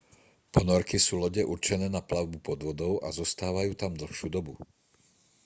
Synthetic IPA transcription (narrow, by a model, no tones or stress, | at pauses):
pɔnɔɾkisuːlɔɟɛʔuɾt͡ʃɛnɛːnaplaʊbupɔd̪ʋɔd̪ɔʊʔa̰zɔst̪aːʋajuːt̪amd̪l̩xʃuːd̪ɔbu